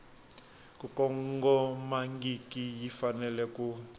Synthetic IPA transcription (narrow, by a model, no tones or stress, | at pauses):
kukɔŋɡɔmaŋɡikijifanɛlɛku